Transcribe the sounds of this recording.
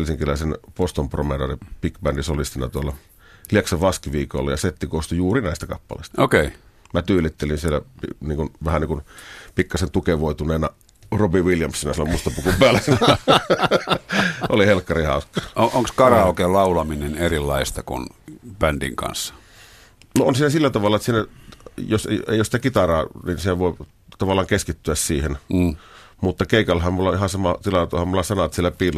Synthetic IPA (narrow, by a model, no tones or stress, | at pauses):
lsiŋkilæˑsenpost̪ompromedoripikbændisolist̪inɑ̰t̪uolːɑ | lieksɑʋɑskiʋiːko̰lːɑ̰jɑset̪ːikost̪ujuːrinæˑist̪ækɑpːɑlḛˑst̪ɑokeimæt̪yːlit̪ːelinsielːæ̰piniːŋkunʋæhæniːkunpikːɑsent̪ukeʋoit̪uneːnɑ | robiʋiljɑmsinɑsielːæmust̪ɑpukumpæːlːæsn | ʔolihelkːɑrihɑ̰ˑuskːˑɑːoʔoŋkskɑrɑoˑkeːllɑˑulɑminenerilːɑist̪ɑkṵnpændḭŋkɑ̰nsːɑ̥ | noonsiːnæsilːæt̪ɑʋɑlːɑt̪siːnæjosḛˑjosit̪ækit̪ɑrɑːninsiæʋoˑi | t̪ɑʋɑlːˑɑːŋkeskit̪ːyæssiːhen | mut̪ːɑkeˑikɑlːɑhɑmmulːɑihɑnsɑmɑt̪ilɑt̪uhɑmulːɑsɑnɑt̪sielːæpiːlː